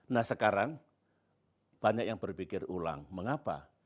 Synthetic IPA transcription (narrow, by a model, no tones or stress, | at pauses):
nahsəkaɾaŋ | b̥aɲak̚jaŋb̥ərpikɪrula̰ŋməŋapa̰